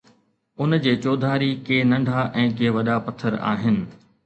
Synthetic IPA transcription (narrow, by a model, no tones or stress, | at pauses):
ʊnd͡ʑeːt͡ɕoːd̪ʱaːɾikeːnɐ̃ɳɖʱaʔɛ̃ːkeːʋɐɗapɐt̪ʰːəɾa̰ːɦɪnɪ̆